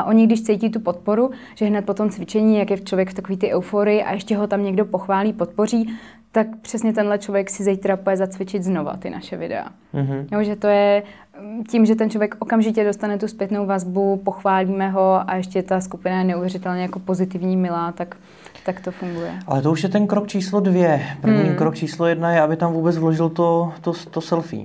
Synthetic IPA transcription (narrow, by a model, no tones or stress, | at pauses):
ʔaʔoɲɪɡdɪʃt͡sɛjcɪt̪upo̞t̪̚po̞ɾuʒ̥ɛɦnɛt̪̚po̞t̪o̞mt͡svɪt͡ʃɛɲiːjakjɛt͡ʃlovjɛkft̪akoviːt̪ɪʔɛwfoːɾɪjɪʔa̰ʔɛʃcɛɦo̞t̪amɲɛɡdo̞po̞xvaːliːpo̞t̪̚po̞riː | t̪akpr̝̥ɛsɲɛt̪ɛnlɛt͡ʃlovjɛksɪzɛjt̪ɾapujɛzat͡svɪt͡ʃɪt̪zno̞va̰t̪ɪna̰ʃɛvɪ̰dɛ̰a̰ | joʒɛt̪o̞jɛ | cimʒɛt̪ɛnt͡ʃlovjɛkʔokamʒɪcɛdo̞st̪anɛt̪uspjɛt̪nowvazbupo̞xvaːliːmɛɦo̞ʔa̰ɛʃcɛt̪askupɪnajɛnɛʔuvjɛrɪt̪ɛlɲɛjako̞po̞zɪt̪ɪvɲiːmɪlaːt̪ak | t̪akt̪o̞fuŋɡujɛ̰alɛt̪ouʃjɛt̪ɛnkɾokt͡ʃiːslodvjɛpɾ̩vɲikɾok̚t͡ʃiːslojɛdnajɛabɪt̪amvuːbɛt͡svloʒɪlt̪ot̪ost̪osɛlfḭː